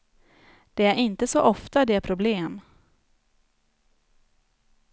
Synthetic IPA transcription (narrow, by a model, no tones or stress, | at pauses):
d̪̥ɛæɾʔɪnt̪əsɔʔɔft̪ad̪ɛæɾpʰɾʊbleːm